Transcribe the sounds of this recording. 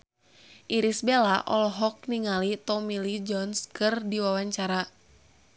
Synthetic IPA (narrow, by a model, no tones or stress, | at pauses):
ʔiɾisbelaʔɔlɔɦɔk̚niŋalit̪ɔmilid͡ʒɔnskɨrdiwawaɲt͡ʃaɾa